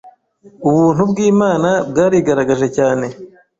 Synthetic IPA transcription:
uβuːn̥hubɡiːmaːnabɡaːɾiɡaɾaɡaʒe̞caːne̞

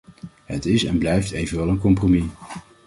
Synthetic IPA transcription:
ɦətɪsɛ̰nblɛjftejvənʋɛlˠənkɔmpromi

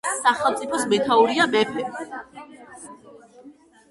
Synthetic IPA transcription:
saχɛlˠmt̪sʼipʰɔsmɛt̪ʰauɾiamɛpʰɛ

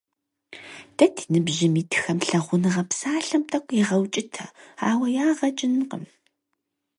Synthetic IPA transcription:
d̥ɐtʰi̥nɨbʒɪmiːtʰxɐmɬɐʁʷʊnɨʁɐpsaːɬɐmtʰʼɐkʷʼiʁɐwt͡ʃʼɪtʰɐ̥aːwɐjaːʁɐt͡ʃʼɪnqə̰m

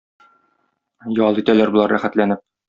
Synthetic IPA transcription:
jɒlˠit̪ælæɾbŭlˠɑɾæχæt̪lænɘp̚

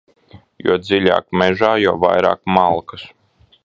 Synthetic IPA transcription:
jṵɔd̪zilʲa̰ːkmɛʒaːjawva̰jɾa̰ːkmalˠkɨs

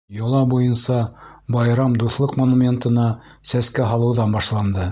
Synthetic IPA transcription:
jŏlˠɑbujɤnsɑbɑjɾɑmd̪uθlˠɤqmonumʲe̞nt̪ɤ̆nɑsæskæɦɑlˠɤ̆wðɑnbɑʃlˠɑnd̪ɤ

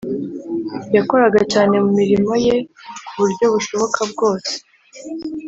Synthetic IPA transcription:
jako̞ɾaɡat͡ʃaːne̞mumiɾimo̞je̞kuβuɾɟo̞βuʃo̞βo̞kʰabɡo̞ːse̥

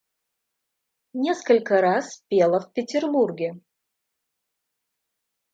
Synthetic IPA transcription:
nʲe̞skəlʲkəɾaspʲelˠəfpʲɪtʲɪrburɡʲɪ

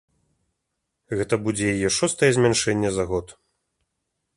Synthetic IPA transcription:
ɣɛt̪ɐbud͡zʲɛjajɛʂɔst̪ɐjɛzʲmʲɛnʂɛnʲːɛzaɣɔt̪

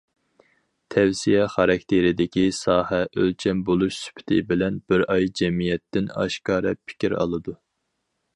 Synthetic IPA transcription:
t̪ʰɛwsijɛχɑɾɑk̚ʲt̪ʰeɾɪd̪ɪkʲʰisɑːhɛʔølt͡ʃʰɛmbolˠuʃsy̥pʰt̪ʰɪ̰bɪlɛnb̥ɪɾɑjd͡ʒɛmijɛt̪ːɪnɑ̰ʃkɑːɾɛpʰɪ̥kʲiɾɑ̰lˠɨd̪u

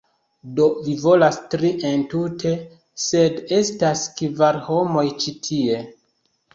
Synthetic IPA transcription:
do̞vivo̞lastɾiʔentutʰe̞ | se̞de̞staskvaɾho̞mo̞jt͡ʃitʰie̞

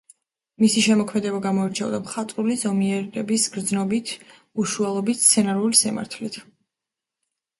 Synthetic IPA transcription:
misiʃɛmɔkʰmɛd̪ɛbaɡamɔiɾt͡ʃʰɛɔd̪amχat̪ʼɾulizɔmiɛɾɛbisɡɾd̪znɔbit̪ʰ | uʃualˠɔbit̪t̪sʰɛnaɾulisima̰ɾt̪ʰlit̪ʰ

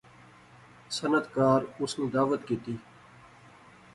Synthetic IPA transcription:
sənət̪kaːɾʊsnĩːd̪aːʋət̪kiːt̪iː

